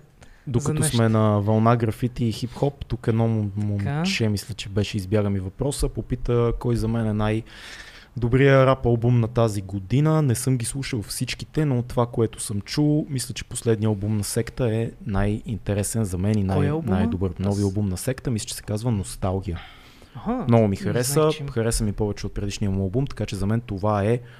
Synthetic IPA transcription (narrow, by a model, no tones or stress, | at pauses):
d̪okɐt̪ɔsmɛnɐvɐlˠnaɡɾɐfit̪iːxipxɔpt̪ukɛd̪nɔmmomt͡ʃɛmislʲət͡ʃɛbɛʃɛizbjaɡəmivɐpɾɔsəpopit̪əkɔjzɐmɛnɛnaj | d̪obɾijəɾapɐlˠbumnɐt̪aziɡod̪inənɛsɤmɡʲislˠuʃəlˠfsit͡ʃkit̪ɛnot̪ovakoɛt̪ʊ̥sɤmt͡ʃulˠmislʲət͡ʃɛ̥poslɛd̪nijəɐlˠbumnɐsɛkt̪əɛnajint̪ɛɾɛsɛnzɐmɛninajnajd̪obɤɾnɔviɐlˠbumnɐsɛkt̪əmislə̥t͡ʃɛ̥sɛ̥kazvənost̪alˠɡʲijə | hmnɔɡomixɐɾɛsəxɐɾɛsəmipɔvɛt͡ʃɛot̪̚pɾɛd̪iʃnijəmuɐlˠbumt̪ɐ̥kat͡ʃɛzɐmɛnt̪ovaɛ